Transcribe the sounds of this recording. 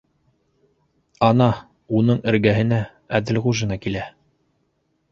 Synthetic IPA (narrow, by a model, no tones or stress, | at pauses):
ɑnɑ | unɤɴɘ̆ɾɡæɦɘ̆næ | æðɘlʁuʒɤ̆nɑkilæ